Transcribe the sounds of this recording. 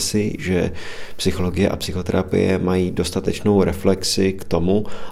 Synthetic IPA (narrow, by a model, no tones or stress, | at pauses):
sɪʒɛpsɪxo̞lo̞ɡɪjɛʔa̰psɪxo̞t̪ɛ̰ɾa̰pɪ̰jɛ̰majiːdo̞st̪at̪ɛt͡ʃno̞wɾɛflɛksɪkt̪o̞mu